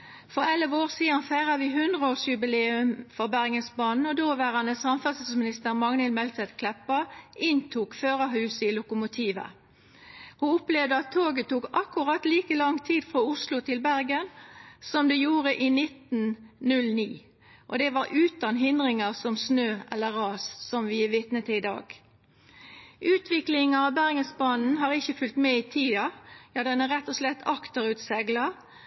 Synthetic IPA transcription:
fɔʁɛlʋoːʁsiːd̪ɑnfæɪʁɑʋɪːɦʉnd̪ʁəoːsjʉbɪleːʉmfɔʁbæʁɡənsbɑːnn̩ɔd̪oːʋæːʁɑnəsɑmfɑssmɪnɪst̪əʁmɑŋnɪlmɛlt̪ɛt̪kʰlɛpːɑʔɪnt̪ʰuːkføːʁəɦʉːsəɪːlʊkʊmʊt̪ʰiːʋə̰ | hʊʊpleːʋd̪əɑt̪ʰːoːɡət̪uːkɑkːʊʁɑt̪liːkəlɑŋt̪ʰiːd̪fʁoːʊslʊt̪ʰɪlbæʁɡənsɔmd̪ɛjuːʁəʔiːnɪt̪nnʉlniː | ʔɔ̰d̪ɛʋɑɾʔʉːt̪ɑnɦɪnd̪ʁɪŋɑsɔmsnøːʔɛlːəʁɑːssɔmʋɪʋɪt̪nət̪əɪd̪ɑ̰ːɡ | ʔʉːt̪ʰʋɪklɪŋɑʋbæʁɡəsbɑːnn̩ɦɑːʁɪçːəfʉlt̪mɛit̪ʰiːɑjɑːd̪ɛnæɾɛt̪ːɔslɛt̪ːɑkt̪əɾʉt̪sɛɡlɑ

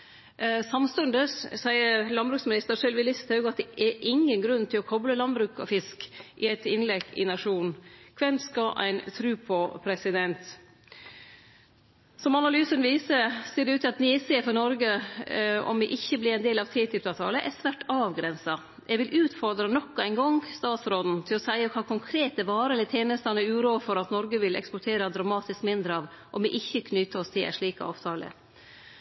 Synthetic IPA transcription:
sɑmst̪ʉnd̪əssæɪəɾlɑnbɾʉːksmɪnɪst̪əɾʂœlʋɪlɪst̪ʰɑʉɡəɑt̪̚d̪ɛʔɛɾʔɪŋːənɡɾʉnt̪ʰɪlɔkʰɔbləlɑnbɾʉːkɔ̰fɪskʔɪæt̪ɪnlɛɡɪ̰nɑʂuːnkʰʋɛnskɑʔæ̰ɪnt̪ʰɾʉːpʰɔpʰɾɛsɪd̪ɛnt̪ | sɔmɑnɑlyːsənʋiːsəɾseːɖɛʉːt̪ːɪɑt̪niseːfɔnɔɾɡə | ɔ̰mɪʔɪçːəblɪɾɛɪnd̪eːlɑʋt̪ʰiːt̪ʏp̚t̪ɑːʋt̪ʰɑ̰ːləʔɛɾsʋæʈɑːʋɡɾɛnsɑ | jʔɛɡʋɪlʔʉːt̪fɔɾd̪ɾɑnɔkːɔæɪnɡɔŋst̪ɑːt̪sɾoːd̪n̩t̪ʰɪlɔsæɪəkʰɑːkʰɔŋkʰɾeːt̪əʋɑːɾəlɪt̪ʰeːnəst̪ɑnəɾʉːɾoːfɔɾɑt̪nɔɾɡəʋɪlʔɛ̰kspɔʈʰeːɾɑd̪ɾɑmɑːt̪ɪskmɪnd̪ɾəɑʋ | ʔɔmʋɪʔɪçːəkʰnʏt̪əɔst̪ʰɪlæ̰ʂɭiːkə̰ɑ̰ːʋt̪ʰɑːlə̰

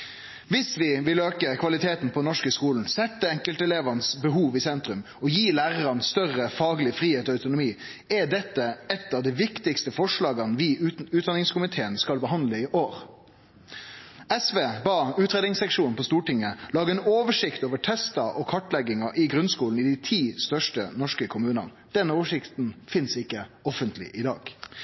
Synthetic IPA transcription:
ʋɪsʋɪʋɪløːkəkʰʋɑlɪt̪ʰeːt̪n̩pʰɔnɔʂkəskuːln̩sɛt̪ːəɛŋkəlt̪ɛleːʋɑnəsbəɦuːʋɪsɛnt̪ʁʉm | ɔjiːlæːʁəʁɑnst̪œʁəfɑːɡlɪfʁiːheːt̪ɔːɑʉt̪ʊnʊmiːɛɖɛt̪ːəɛt̪ːɑːʋd̪ɛʋɪkt̪ɪkst̪əfɔʂlɑːɡɑnʋɪːʉːd̪ɑnɪŋskʰʊmɪt̪ʰeːənskɑlbəɦɑnd̪ləɪʔoːɾ | ɛsʋeːbɑːʉːt̪ɾeːd̪ɪŋsɛkʂuːnn̩pʰɔst̪uːʈɪŋːəlɑːɡəɛnoːʋəʂɪkt̪oːʋəʈʰɛst̪ɑʔɔkʰɑʈlɛɡɪŋɑʔɪɡʁʉnskuːln̩ɪd̪ɪt̪ʰiːst̪œʂʈə̰nɔʂkəkʰʊmʉːnɑ̰n | d̪̥ɛnoːʋəʂɪkt̪nfɪnsɪkːəɔfənt̪ʰlɪ̰ʔɪd̪ɑ̰ːɡ

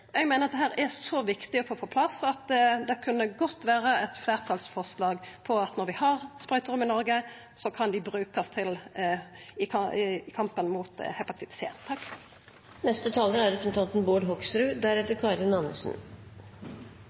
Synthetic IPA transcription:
ɛɡmeːnʁɑt̪̚d̪ɛɦæːɾɛsɔʋɪkt̪ɪɔfoːpʰoːpʰlɑsɑt̪d̪ɛkʰʉnːəɡɔt̪ːʋæːɾəɛt̪fleːʁt̪ʰɑːlsfɔʁslɑːɡpʰɔɑt̪nɔɾʋɪhɑʁspʁœʏt̪əʁʉmɪnɔɾɡə | sɔkʰɑnd̪ɪbɾʉːkɑst̪ʰɪl | ɪkɪkʰɑmpənmuːt̪hɛpɑt̪ʰɪt̪sḛːt̪t̪ʰːɑk | nɛst̪ət̪ʰɑːləæɾɾɛpʰɾsn̩t̪ʰɑnt̪n̩boːɖɦɔksɾʉːd̪æɾɛt̪əɾkʰɑɾɪnɑnʉ̰sn̩

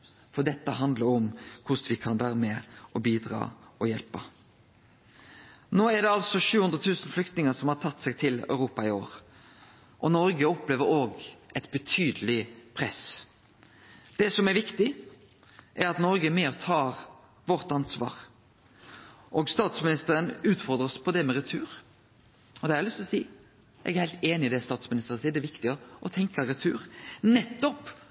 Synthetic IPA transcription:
fɔd̪ɛt̪ːəɦɑnd̪ləɾɔmkʰʊsʋɪkʰɑnʋæːɾmɛɔbiːd̪ɾɑ̰ːɔjɛlpə | noːɛɾɖ̪ɛɑlsɔʃʉːhʉnd̪ɾət̪ʰʉːsn̩flʏk̚t̪nɪŋəsɔmhɑɾʈ̪ʰɑt̪ːsɛɡt̪ʰɪlœ̰ʉɾuːpɑɪo̰ːɾ | ʔɔnɔɾɡəɔpleːʋəɾoːɡʔɛt̪bət̪ʰyːd̪əlɪpʰʁɛs | d̪̥ɛsɔmɛɾʋɪkt̪ɪ | ʔɛɾɑt̪nɔɾɡəmɛɔt̪ʰɑːɾ | ʋɔɾt̪ɑnsʋɑ̰ːɾ | ʔɔɡst̪ɑːt̪smɪnɪst̪əɾənʉːt̪fɔɾd̪ɾəspʰɔd̪ɛmɛɾɛt̪ʰʉːɾ | ɔd̪ɛæɾlʏst̪ɔsiː | jɛ̰ɡæɾhæɪlt̪eːnɪɪd̪ɛst̪ɑːt̪smɪnɪst̪əɾənsiːd̪ɛʋɪkt̪ɪəʔɔt̪ʰɛŋkɑɾʉt̪ʰʉ̰ːɾnɛt̪ːɔp

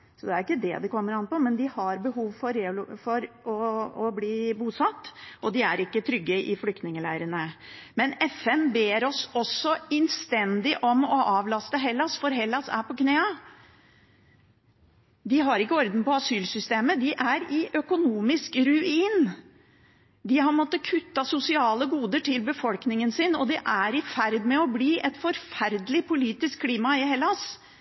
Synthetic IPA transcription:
sɔd̪ɛæɾʊɪkːəd̪ɛ̰d̪ɛkʰɔmːəɾɑnːpɔmɛnd̪ɪhɑɾbəɦuːʋfɔɾeːfɔɾ | ɔɔbliːbuːsɑt̪ːʔɔd̪ɪæɾɪkːət̪ʰɾʏɡːəʔɪflʏkt̪nɪŋəlæɪɾənəmɛnɛfɛnbeːɾɔsɔsːɔɛnst̪ɛnd̪ɪʔɔmɔʔɑːʋlɑst̪əɦɛlːɑsfɔɾɦɛlːɑsæ̰ɾpʰɔkʰneːɑ | d̪ɪɦɑɾɪkːəɔɾd̪n̩pɔɑsyːlsʏst̪eːməd̪ɪʔæɾɪʔœkʊnuːmɪskɾʉiːn | d̪ɪhɑɾmɔt̪ːəkʰʉt̪ːɑsʊsɪɑːləɡuːd̪əʈʰɪlbəfɔlknɪŋənsɪnɔd̪ɪʔæɾɪfæɾd̪mɛɔbliːʔɛt̪fɔɾfæɾd̪əlɪpʰʊliːt̪ɪskkʰːliːmɑɪɦɛlːɑs

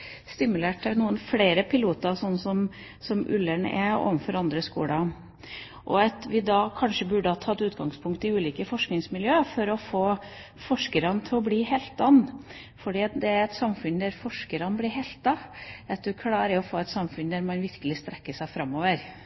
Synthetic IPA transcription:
st̪ɪmʉleːʈæɾnuːənfleːɾəpʰɪluːt̪ɑsɔnːsɔm | sɔmʔʉ̰lːəɳɛ̰o̰ːʋənfɔɾɑnd̪ɾəskṵːlɑ | ʔɔɑt̪ʋɪd̪ɑkʰɑnʂəbʉɖəhɑːt̪ʰɑt̪ʉːt̪ɡɑŋspʰʊŋkt̪ɪʉːliːkəfɔʂknɪŋsmɪljøːəfɔɾɔfoː | fɔʂkəɾɑnət̪ʰɪlɔbliːheːlt̪ɑnː | fɔɖiːɑt̪d̪ɛæɾɛt̪sɑmfʉnd̪æɾfɔʂkəɾɑnəblɪɾɦɛɪlt̪̚ːɑɛt̪ːəɔkʰlɑːɾəɔfoːɛt̪sɑmfʉnd̪æɾmɑnʋɪɾkəlɪst̪ɾɛkːəʂæɪfɾɑmːoːʋəɾ

